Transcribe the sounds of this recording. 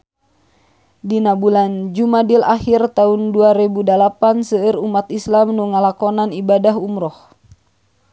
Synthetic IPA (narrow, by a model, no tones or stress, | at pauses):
dinabuland͡ʒumadilahirt̪aunduaɾɛbudalapansəːrumat̪islamnuŋalakɔnanibadaɦumɾɔh